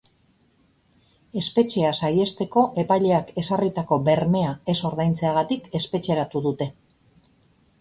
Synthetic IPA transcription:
e̞spe̞t͡ʃe̞asaje̞st̪e̞ko̞ʔe̞pajʎe̞ake̞sarit̪ako̞be̞ɾme̞ae̞so̞ɾðajnt͡se̞aɣ̞at̪ike̞spe̞t͡ʃe̞ɾat̪uðut̪e̞

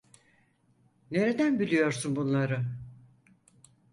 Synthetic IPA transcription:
ne̞ɾed̪ænbilʲijo̞ɾsunbunlˠaɾɯ

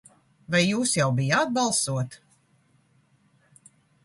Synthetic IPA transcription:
vajːuːsjawbijad̪̚balˠsuɔt̪

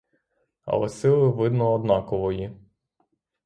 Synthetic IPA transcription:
ɐ̰lˠɐsɪlˠɪʋɪd̪nɔːd̪nɑkɔʋɔji

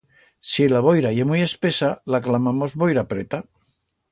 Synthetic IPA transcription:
silaβ̞ojɾajemuje̞spesalaklamamozβojɾapɾet̪a

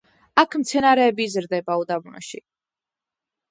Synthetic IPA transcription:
akʰmt̪sʰɛnaɾɛːbizɾd̪ɛbaud̪abunɔ̰ʃi

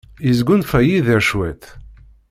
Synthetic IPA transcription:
izɡʷunfæjiðiɾʃwæt̪

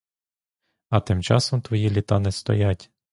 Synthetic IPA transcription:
ɐt̪ɪmt͡ʃɑsɔmt̪ʋɔjilʲit̪ɑnɛst̪ɔ̰jatʲ

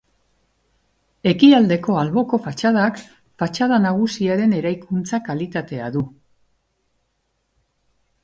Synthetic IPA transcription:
e̞kiald̪e̞ko̞alβo̞ko̞fat͡ʃað̞ak | fat͡ʃað̞anaɣ̞usiaɾe̞ne̞ɾajkunt͡sakalit̪at̪e̞aðu

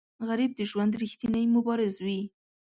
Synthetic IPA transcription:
ɣaɾib̚d̪əʒwand̪ɾixt̪inəjmʊbɑɾɪzwi

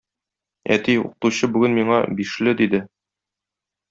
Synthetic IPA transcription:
æ̰t̪iṵqɤ̥̆t̪uɕɤbʉɡɘnmiɴɑbiʃlɘd̪id̪ɘ

